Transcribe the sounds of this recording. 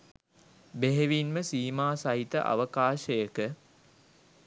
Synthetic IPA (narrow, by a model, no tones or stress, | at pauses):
beɦeʋinməsiːmaːsaɦit̪ə̰ʔa̰ʋəkaːʃəjəkə